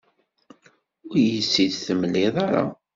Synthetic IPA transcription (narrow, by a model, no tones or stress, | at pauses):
ʊɾjəsːiðθəmlːɪðˤɑɾˤɑ̰